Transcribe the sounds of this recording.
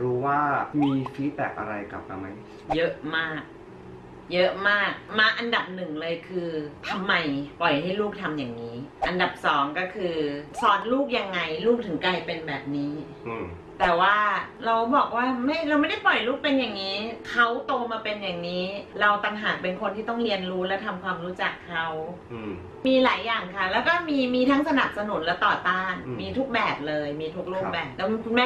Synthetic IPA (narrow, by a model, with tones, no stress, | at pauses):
ɾuː˦˥waː˥˩miː˧fiː˦˥t̪̚t̪ɛ̰˨˩k̚ʔa̰˧ɾa˧jka̰˨˩p̚ʔa̰˧ma˦˥j | jɤ˦˥ʔmaː˥˩k̚ | jɤ˦˥ʔmaː˥˩k̚maː˧ʔa˧nda˨˩p̚nɯ˨˩ŋlɤː˧jkʰɯː˧t̪ʰa˧mːa˧jpɔ˨˩jɦa˥˩jluː˥˩k̚t̪ʰa˧mjaː˨˩ŋniː˦˥ʔa˧nda˨˩p̚sɔː˩˦ŋkɔː˥˩kʰɯː˧sɔː˦˥nluː˥˩k̚ja˧ŋːa˧jluː˥˩k̚t̪ʰɯ˩˦ŋkaː˧jpe˧nbɛː˨˩p̚niː˦˥˧ | t̪ɛː˨˩waː˥˩ɾa˧wbɔː˨˩k̚waː˥˩ma˥˩jɾa˧wma˥˩jda˥˩jpɔ˨˩jluː˥˩k̚pe˧nja˨˩ŋːiː˦˥kʰa˦˥wt̪oː˧maː˧pe˧nja˨˩ŋniː˦˥ɾa˧wt̪a˧nɦaː˨˩˦pe˧nkʰo˧nt̪ʰiː˥˩t̪ɔ˥˩ŋɾi˧ənɾuː˦˥lɛː˦˥wt̪ʰa˧mkʰwaː˧mɾuː˦˥t͡ɕa˨˩kʰːa˦˥w | miː˧laː˩˦jːaː˨˩ŋkʰa˥˩lɛː˦˥wkɔː˥˩miː˧miː˧t̪ʰa˦˥ŋsa˧na˨˩p̚sa˧nu˩˦nlɛː˦˥wt̪ɔː˨˩t̪aː˥˩nmiː˧t̪ʰu˦˥k̚bɛː˨˩p̚lɤː˧jmiː˧t̪ʰu˦˥k̚luː˥˩k̚bɛː˨˩p̚lɛ˦˥˧kʰu˧nmɛː˥